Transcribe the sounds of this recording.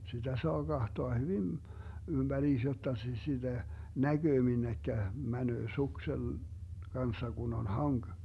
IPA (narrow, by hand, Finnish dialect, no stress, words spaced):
sitæ soɑ ɡ̊ɑhtoɑ hyʋin ymb̥æriːs jotːɑ sis sid̥æ næɡ̊øː minːekːæ mænøː suksel ɡ̊ɑnsːɑ ɡ̊un on hɑŋɡ̊